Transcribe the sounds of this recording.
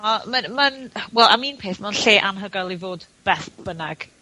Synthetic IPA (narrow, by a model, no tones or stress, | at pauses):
ɔmamanwɛlˠa̰miːnpʰeːθmanɬeːʔanɦəɡalˠivoːdb̥ɛθb̥ənaɡ̥